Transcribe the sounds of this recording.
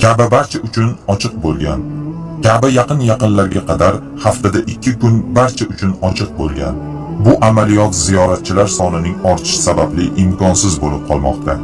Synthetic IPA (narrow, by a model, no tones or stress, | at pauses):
kʲʰabɪbaɾt͡ʃʰaʊt͡ʃʰʊnɒt͡ʃʰɨq̚bolˠɡʲan | kʲʰabɪjɑqɨnjɑqɨnlaɾɡʲaqʰɑd̪aɾ | haft̪ad̪aʔɪkʲʰːɪkʊnbaɾt͡ʃʰaʊt͡ʃʰʊnɒt͡ʃʰɨq̚bolˠɡʲa̰n | bʊʔamalijɒt̪zijɒɾat̪̚t͡ʃʰɪlaɾsɒnɪnɪŋɒɾt̪ʰɪ̥ʃsabablɪʔɪmkʰɒnsɪzbolɪp̚qʰɒlˠmɒ̰qt̪ʰa